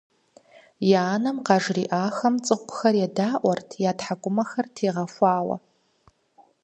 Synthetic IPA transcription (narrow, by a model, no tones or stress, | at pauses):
jaːnɐmqɑʐriʔaːxɐmt͡sʼɨχʷʊxɐrjadaːʔʷɔrtʰjaːtħakʷʼʊmɐxɐrtʰeːʁɐfʷaːwɐ̰